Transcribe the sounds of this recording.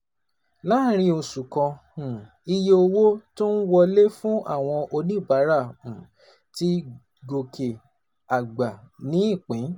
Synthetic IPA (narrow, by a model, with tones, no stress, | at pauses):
la˦ɾ̃ĩ˧o˧su˨kɔ̃˧ | ũ˨ | i˧je˧o˧wo˦to˦n̩˦wɔ˧le˦fũ˦a̰˦˨w̃ɔ̃˧ʔo˧nĩ˦˨ba˨˦ɾa˦˨ũ˨ | ti˧ | ɡo˨ke˨ | a˨ɡ͡ba˨nĩ˨˦i˦˨k͡pĩ˨˦